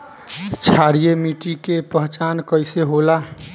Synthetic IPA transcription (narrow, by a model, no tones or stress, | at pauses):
t͡ʃʰaɾijemiʈikepəɦt͡ʃankəjseɦola